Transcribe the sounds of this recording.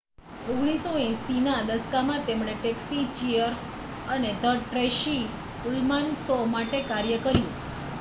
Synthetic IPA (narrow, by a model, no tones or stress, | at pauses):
oɡɽ̃isoɛ̃sinad̪əskamãt̪emɽ̃eʈeksit͡ʃiəɾs | əned̪ʱəɾʈɾeʃi | ulmansɔmaʈekaɾjəkəɾjũ